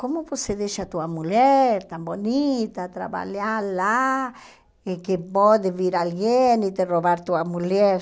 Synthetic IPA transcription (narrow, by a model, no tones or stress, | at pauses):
komoposeðeʃat̪uamuljeɾt̪ambonit̪at̪ɾa̰βa̰ljala | ekepod̪eβiɾalɡjenit̪eroβaɾt̪uamuljeɾ